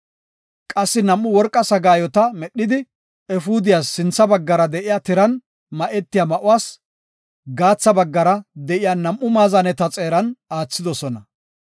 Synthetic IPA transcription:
kʼɐsːɪnɐmːʊwɔɾkʼːɐsɐɡaːjɔt̪ɐmɛɗːɪd̪ɪ | ɛfuːd̪ɪjaːsːɪnt͡sːɐbɐɡːɐɾɐd̪ɛʔɪjaːt̪ɪɾɐn | mɐʔɛt̪ːɪjaːmɐʔʊwaːs | ɡaːt͡sːɐbɐɡːɐɾɐd̪ɛʔɪjaːnɐmʔːʊmaːzɐnɛt̪ɐt͡sʼe̞ːɾɐnaːt͡sːɪd̪ɔsɔnɐ

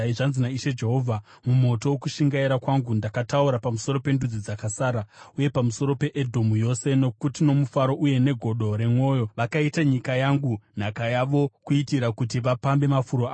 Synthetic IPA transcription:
iʐanzinaiʃed͡ʒe̞ɦo̞ːvʱa | mumo̞to̞wokuʃiŋɡaiɾakwaŋɡundakatauɾapamuso̞ɾo̞pe̞ndud͡zid͡zakasaːɾauje̞pamuso̞ɾo̞pe̞ʔedʱo̞mujo̞se̞no̞kutino̞mufaɾo̞ʔuje̞ne̞ɡʱo̞ɗo̞ɾe̞mwo̞ːjo̞ʋakaitaɲikajaŋɡun̤akajaʋo̞kuitiɾakutiʋapambe̞mafuɾoa

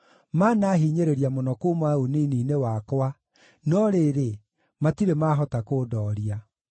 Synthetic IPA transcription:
manaɦiːɲeɾeɾiamonɔkomaoniːniːnewakwa | nɔɾeːɾe | matiɾemaɦɔtakoːdɔːɾia

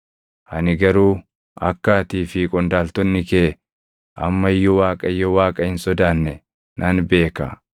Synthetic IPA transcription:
ʔɐnɪɡɐɾuː | ɐkːaːt̪iːfiːkʼɔnd̪aːlt̪ɔnːɪkeː | ʔɐmːɐɪjːɔwaːkʼɐɪjːɔwaːkʼɐhɪnsɔd̪aːnːɛ | nʔɐnbe̞ːkɐ̰

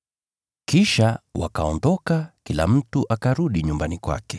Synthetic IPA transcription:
kiʃawakaɔndɔkakilam̩tuʔakaɾuɗiɲumbanikwa̰kɛ̥

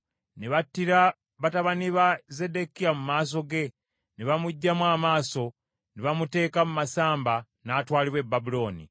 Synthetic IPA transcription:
neβatːiɾa | βataβaniβaze̞de̞kijamumaːs̬o̞ɡe̞ | niβamuɟːamwaːmaːso̞ | niβamute̞ːkamumasaːmba | naːtwaːliβwe̞bːabulo̞ːnḭ

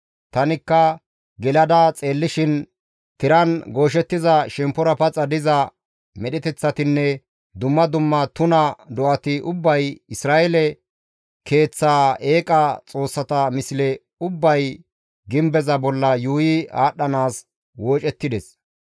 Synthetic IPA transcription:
t̪ɐnɪkːɐ | ɡɛlɐd̪ɐt͡sʼe̞ːlːɪʃɪn | t̪ɪɾɐnɡo̞ːʃ̬ɛt̪ːɪzɐʃɛmpːɔɾɐpɐt͡sʼɐd̪ɪzɐ | mɛɗɪt̪ɛt͡sːɐt̪ɪnːɛ | d̪ʊmːɐd̪ʊmːɐt̪ʊnɐd̪ɔʔɐt̪ɪʔʊbːɐjɪsɾaːʔɛlɛ | kʰe̞ːt͡sːaːe̞ːkʼɐt͡sʼo̞ːsːɐt̪ɐmɪsɪlɛ | ʊbːɐj | ɡɪmbɛzɐbɔlːɐjuːjɪa̰ːɗːɐnaːs | woːt͡ʃʼɛt̪ːɪd̪ɛs

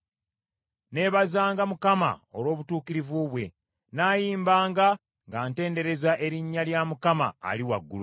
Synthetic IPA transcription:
ne̞βazaːŋɡamukama̰o̞lwo̞ːβutuːkiɾivuβwe̞ | naːjiːmbaːŋɡa | ŋɡaːnte̞ːnde̞ɾe̞zaʔe̞ɾiɲːaljamukama̰ːliwa̰ɡːulṵ

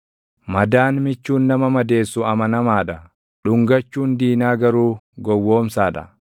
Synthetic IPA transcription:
mɐd̪aːnmɪt͡ʃːuːnːɐmɐmɐd̪e̞ːsːʊɐmɐnɐmaːᶑɐ | ᶑʊŋɡɐt͡ʃːuːnd̪iːnaːɡɐɾuːɡɔwːo̞ːmsaːᶑɐ̰

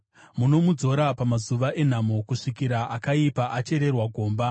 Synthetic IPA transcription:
muno̞mud͡zo̞ɾapamazuʋaʔe̞n̤amokuʂikiɾaʔakaipaʔat͡ʃe̞ɾe̞rwaɡʱo̞ːmba

